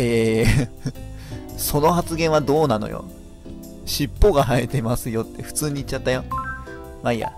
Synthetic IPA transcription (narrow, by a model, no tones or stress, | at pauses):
eː | so̞no̞ɦat͡sɨɡẽ̞ɰ̃βad̪o̞ːnano̞̰jo̰ | ɕipːoɡaɦaet̪e̞masɨjo̞t̪ːe̞ɸɯ̟̥t͡sɨːɲ̟iːt͡ɕːat̪ːajo̞ | maija̰